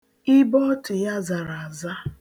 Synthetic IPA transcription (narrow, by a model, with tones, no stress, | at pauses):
ɪ˦bɔ˦tʊ˨ja˦za˨ɾa˨a˨za˦